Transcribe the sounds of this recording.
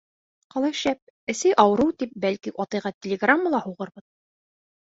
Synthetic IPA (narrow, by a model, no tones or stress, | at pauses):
qɑlˠɑjʃæp̚ | ɘ̆sɘʔɑwɤ̆ɾɤwt̪ip̚bælkiʔɒt̪ɤ̆jʁɑt̪ʲɪlʲɪɡramːəlˠɑhuʁɤɾbɤð